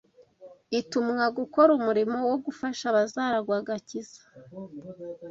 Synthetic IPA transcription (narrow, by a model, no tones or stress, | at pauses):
itumŋaɡuko̞ɾumuɾimo̞woɡufaʃaβazaːɾaɡwaːɡaciz̥ḁ